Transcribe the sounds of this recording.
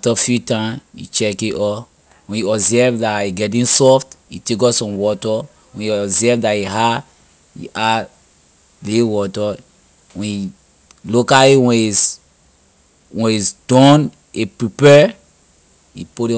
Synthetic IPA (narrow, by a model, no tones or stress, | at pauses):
atɔfjutãmjḭt͡ʃɛkiʔɔ | wɛ̃njiɔbzɛvdaiɡɛt̬ĩnsɔftḭtekɔsɔ̃mwɔtɔ | wɛ̃niɔbzɛvdaiɦa | jḭʔa | liwɔtɔ | wɛ̃ni | lokaliwɛ̃nis | wɛ̃nisd̥ɔ̃n | epɹipɛ | ipu